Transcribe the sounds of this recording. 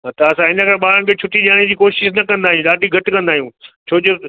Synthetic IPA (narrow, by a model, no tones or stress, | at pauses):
t̪ɐɐsãɪnə̆kɐɾɓaːɾə̃ñkʰeːt͡ɕʰʊʈiʄaːɽ̃ẽd͡ʑiːkoːʃɪʃnɐkɐ̃nd̪aːɦijũɗaːɖʱiɡʱɐʈkɐ̃nd̪aːijũːt͡ɕʰoːd͡ʑo